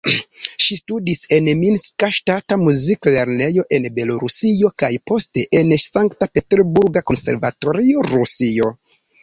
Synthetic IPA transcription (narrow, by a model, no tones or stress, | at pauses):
ʃistudise̞nminskaʃtatamuzikle̞ɾne̞jo̞ʔe̞nbe̞lo̞ɾusio̞kajpo̞ste̞ʔensaŋktape̞te̞ɾbuɾɡako̞nse̞ɾvato̞ɾio̞ɾusio̞